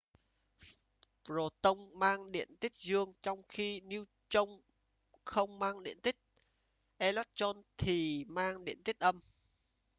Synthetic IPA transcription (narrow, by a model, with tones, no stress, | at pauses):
zo˨˩t̪ə˧wŋ͡mmaː˧ŋɗḭ˧˨ənt̪ï˦˥k̚zɨ˧əŋt͡ɕɔ˧wŋ͡mxi˧ni˧w | t͡ɕə˧wŋ͡m | xə˧wŋ͡mmaː˧ŋɗḭ˧˨ənt̪ï˦˥k̚ | ʔɛ˧lɔ˦˥t̚t͡ɕɔ˧nt̪ʰi˨˩maː˧ŋɗḭ˧˨ənt̪i˦˥k̟̚ʔə˧m